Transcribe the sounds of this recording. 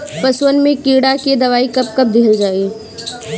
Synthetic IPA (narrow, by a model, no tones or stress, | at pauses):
pɐswənmẽkiːɽaked̪ɐʋaːikɐp̚kɐp̚d̪ʱeɦld͡ʒaːeː